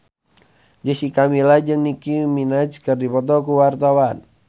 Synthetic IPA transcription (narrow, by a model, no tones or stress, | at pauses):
d͡ʒəsikamilad͡ʒɨŋnikuminad͡ʒkɨrdipɔt̪ɔkuwart̪awan